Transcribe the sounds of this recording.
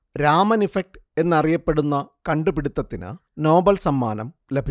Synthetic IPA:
ɾaːmɐnifek̚ʈe̞nːɐrijɐpːe̞ɽunːɐkɐɳɖubiɽut̪ːɐt̪ːinɨ̰ | no̞ːbɐlsɐmːa̰ːnɐm | lebʱi

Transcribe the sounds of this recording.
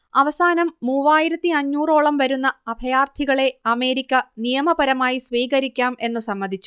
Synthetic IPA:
ɐʋɐsaːnɐmːuːʋaːjiɾɐt̪ːiɐɲːuːro̞ːɭɐmʋɐɾunːɐːbʱɐjaːrt̪ʰiɣɐɭe̞ɐme̞ːɾikʲːɐnijɐmɐbɐɾɐmaːjisʋiːɣɐɾikʲːaːme̞nːusɐmːɐnd̪ʱit͡ɕːu̥

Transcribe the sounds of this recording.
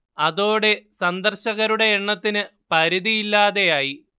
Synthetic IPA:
ɐðo̞ːɽe̞sɐnd̪ɐrɕɐɣɐɾuɽe̞ːɳːɐt̪ːinɨpɐɾiðijilːaːðe̞jaːji

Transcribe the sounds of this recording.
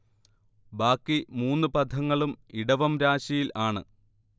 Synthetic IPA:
baːkːimuːnːɨpɐd̪ʱɐŋːɐɭumiɽɐʋɐmɾaːɕɐjilaːɳɨ̰

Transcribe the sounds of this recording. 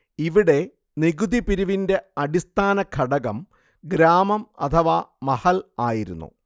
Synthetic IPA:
iʋiɽe̞ | niɡud̪ipiɾuʋinde̞ɐɽist̪ʰaːnɐkʰɐɽɐɣɐm | ɡɾaːmɐmɐ̰t̪ʰɐʋaːmɐhɐlaːjiɾṵnːṵ

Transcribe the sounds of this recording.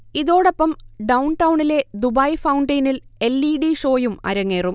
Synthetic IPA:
iðo̞ːɽɐpːɐmɖɐwɳʈɐwuɳile̞d̪ubɐjfɐwuɳɖɐjnile̞lːiɖiʂo̞ːjumɐ̰ɾɐŋːeːrum

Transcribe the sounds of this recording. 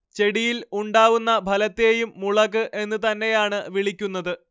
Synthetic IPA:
t͡ɕe̞ɽijiluɳɖaːʋunːɐbʱɐlɐt̪ːe̞ːjumːuɭɐɣɨʔe̞nːɨt̪̬ɐnːe̞jaːɳɨʋiɭikʲːunːɐðɨ

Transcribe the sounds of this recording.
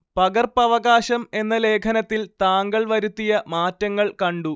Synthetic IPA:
pɐɡɐrpɐʋɐɡaːɕɐme̞nːɐle̞ːkʰɐnɐt̪ːilt̪aːŋɡɐɭʋɐɾut̪ːijɐmaːtːɐŋːɐɭkɐɳɖu

